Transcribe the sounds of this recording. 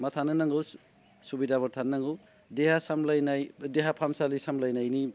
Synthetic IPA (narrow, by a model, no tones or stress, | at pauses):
mɐtʰanɯnɐŋɡɯws | subidabɔɾtʰanɐŋɡɯw | dehasamlajnajdeɦapʰamsalisamlajnajni